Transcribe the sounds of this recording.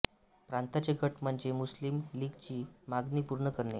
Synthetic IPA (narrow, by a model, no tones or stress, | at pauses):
pɾant̪at͡ɕeɡʱəʈm̤əɳd͡zemuslimliːɡt͡ɕiːmaɡnipuɾɳəkəɾnḛ